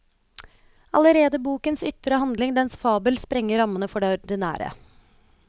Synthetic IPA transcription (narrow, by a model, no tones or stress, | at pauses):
ɑləɾeːd̪əbuːkənsʏt̪ɾəhɑnd̪lɪŋd̪ɛnsfɑːbəlspɾɛŋːəɾɑmənəfɔɖeːɔɾd̪ɪnæ̰ːɾə̰